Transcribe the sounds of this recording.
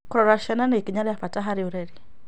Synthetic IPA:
kɾɔɾaʃɛnanɛikiɲaɾiafataɦaɾiuɾɛɾi

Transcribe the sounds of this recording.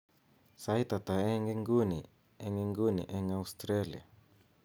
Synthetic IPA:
sait̪at̪aɛŋeŋɡuni | ɛŋeŋɡunḭʔɛŋaust̪ɾelia̰

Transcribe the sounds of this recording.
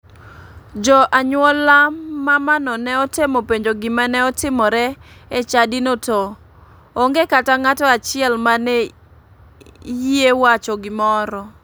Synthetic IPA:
d͡ʒɔʔaɲwɔlamamanɔnɛɔtemopeɲd͡ʒoɡɪmanɛɔtɪmɔɾɛet͡ʃadɪnotɔː | ŋɡekataŋatɔat͡ʃɪɛlmanɛ | jiewat͡ʃɔɡɪmɔɾɔ

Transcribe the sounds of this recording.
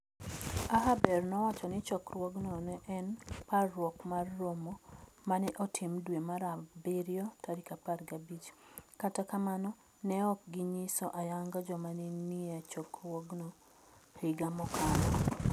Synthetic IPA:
aɦabɛrnɔwat͡ʃɔnɪt͡ʃɔkrwɔɡnɔnɛʔɛnparːwɔkmarːomomanɛʔɔtʰɪmdwemaɾabeɾjɔtʰaɾikaparɡabit͡ʃkatakamanɔ | nɛɔk̚ɡɪɲisɔʔajaŋɡad͡ʒɔmaniniat͡ʃɔkrwɔɡnɔ | hiɡamɔkanɔ

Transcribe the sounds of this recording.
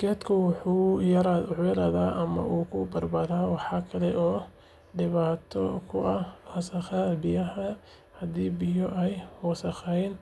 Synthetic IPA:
kʰɛːd̪kʰʊwʊħuːjɐɾaʊʕjɐɾɐːðaːʔɐmɐ̰ʔuːkʰʊbɐrbɐðaːwɑħɑːkʰɐlɛʔɔː | ɖɪβaːt̪ʰɔkʰʊʔɐhɔːsɐxɐbɪjɐɦɐ | hɐd̪iːbɪjɔʔɛjhɔːsɐxɛjn

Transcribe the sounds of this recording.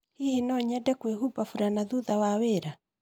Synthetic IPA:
hihinɔɲɛdɛkweɦubafuɾanaðuðawaweɾa

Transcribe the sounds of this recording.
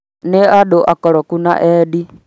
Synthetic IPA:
nɛaɗɔʔakɔlɔkuna̰ʔɛɗi

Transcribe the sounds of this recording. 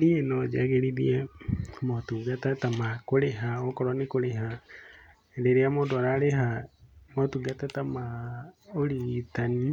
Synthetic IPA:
nienɔd͡ʒaɣeɾiðiemɔtuɡatatamakoɾeɦaokɔɾɔnikoɾeɦa | eɾeɾeamodɔɾaɾeɦamɔtuɡatatama | oɾitani

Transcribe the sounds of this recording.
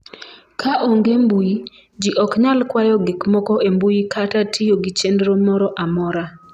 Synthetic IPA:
kʰaʔoŋɡembuji | d͡ʒiʔɔkɲalkwajɔɡikmɔkɔembujikʰatatʰijoɡit͡ʃendɾomɔɾɔʔamɔɾa

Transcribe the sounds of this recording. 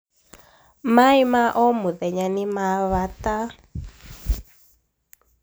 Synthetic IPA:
maimaʔɔmuðɛɲanimaβata

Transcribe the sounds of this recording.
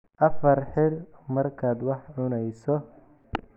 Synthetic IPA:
ʔɐfɐrħɪrmɐrkʰaːd̪wɑħʕʊnɛjsɔ

